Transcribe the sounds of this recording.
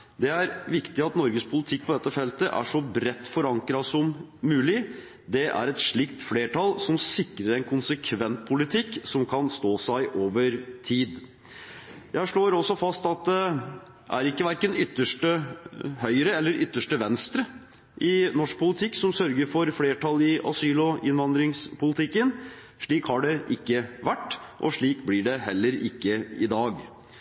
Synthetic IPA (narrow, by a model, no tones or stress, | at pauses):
d̪ɛæɾʋɪkt̪ɪɑt̪nɔɾɡəspʰʊlɪt̪ʰɪk̚ːpʰɔd̪ɛt̪ːəfɛlt̪əʔæ̰ʂɔbɾɛt̪ːfɔɾɑŋkɾɑsɔmːʉːlɪ | d̪ɛʔæ̰ɾɛt̪ʂɭɪkt̪fleːʈʰɑlsɔmsɪkɾəɾɛnkʰʊnsəkʰʋɛnt̪̚pʰʊlɪt̪ʰɪkːsɔmkʰɑnst̪oːsæɪʔoːʋəɾt̪ʰiːd̪ | jæɪʂɭoːɾɔsːɔfɑst̪ɑt̪̚d̪ɛ | ʔæɾɪkːəʋæɾkənʏt̪ːəʂʈəhœʏəɾəɛlːəɾʔʏt̪ːəʂʈəʋɛnst̪ɾə | ʔɪnɔʂk̚pʰʊlɪt̪ʰɪkːsɔmsœɾɡəɾfɔɾfleːʈʰɑlɪʔɑ̰syːlɔɪnʋɑnd̪ɾɪŋspʊlɪt̪ʰɪkːən | ʂɭiːkhɑɖɛʔɪkːəʋæʈːʔɔ̰ʂɭiːkblɪɖɛɦɛlːəɾɪkːəɪd̪ɑːɡ